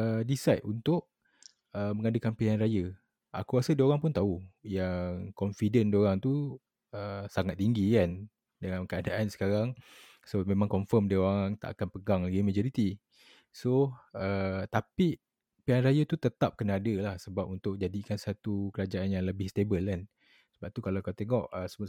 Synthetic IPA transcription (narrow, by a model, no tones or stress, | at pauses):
ədisajʔ̪unt̪ʊʔ | əməŋadəkanpeanrajə | ʔa̰kuɾasədəoɾaŋpʊnt̪aujaŋkɔnfidəndəoɾaŋt̪u | əsaŋat̪ːiŋɡikan | dəŋamkəadaʔansə̥kaɾaŋ | somẽmãŋkɔɱfəmdəoɾaŋt̪a̰ʔakanpəɡaŋlaɡimad͡ʒɔɾit̪i | soət̪api | peanrajət̪ut̪ət̪ap̚kənaadəlahsəbapunt̪ʊk̚d͡ʒadikansat̪ukəɾad͡ʒaanjaŋləbɪhst̪ebəlan | səbap̚t̪ukalakat̪eŋɔʔəsəmə